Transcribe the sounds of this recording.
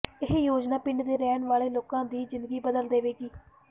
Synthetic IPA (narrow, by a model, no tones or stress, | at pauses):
ɪɦjoːd͡ʒnaːpɪɳɖd̪eːɾɛːnʋaːleːloːkãːd̪iːzɪ̃nd̪əɡiːbəd̪əld̪eːʋeːɡiː